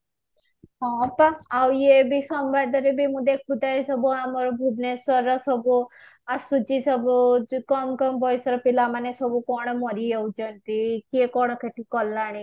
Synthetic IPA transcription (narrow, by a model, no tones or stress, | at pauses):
ɦɔ̃paːwjebisɔmbad̪ɔɾebʱimũd̪ek̚ʰbut̪aisɔbuamɔɾɔbʱubnesɔɾɔsɔbu | asut͡ʃisɔbukɔmkɔmbʱɔjsɔɾɔpilamanesɔbukɔɽ̃ɔmɔɾiewd͡ʒɔnt̪ikkɔɽ̃ɔkʰeʈʰikɔlːaɽ̃ĩ